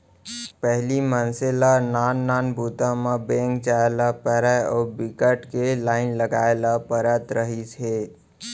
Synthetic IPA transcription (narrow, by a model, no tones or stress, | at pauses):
pɛɦlimənselanaːnːaːnbʱuːt̪ãmabẽːŋkt͡ʃaelapəɾɛɔːɾbɪkəʈkelaːɪnləɡaːelapəɾət̪ɾəɦit͡ʃʰe